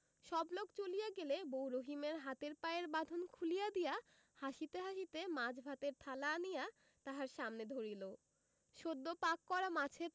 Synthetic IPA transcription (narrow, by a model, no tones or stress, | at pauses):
ʃɔblokt͡ɕolijaɡelebowɾoɦimeɾɦat̪eɾpaeɾbad̪ʱonkʰulijad̪ija | haʃit̪eɦaʃit̪emad͡ʑbʱat̪eɾt̪ʰalaːnija | t̪aɦaɾʃamned̪ʱoɾilo | ʃod̪ːopakːɔɾamat͡ɕʰe